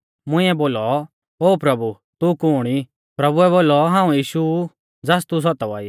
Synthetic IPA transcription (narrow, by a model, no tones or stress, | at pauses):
mʊ̃ĩɛboːlɔ | oːpɾɐbu | t̪ukʊːɽ̃i | pɾɐbuɛβoːlɔɦãːũjiːʃu | d͡zast̪us̬ɔt̪ɔʋa̰ːiː